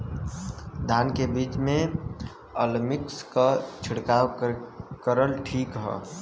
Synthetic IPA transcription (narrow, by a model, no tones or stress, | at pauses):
d̪ʱaːnkebiːt͡ʃmẽ | əlmɪkskat͡ʃʰɪɽkaːwkəɾəlʈʰiːkɦɛ̰ː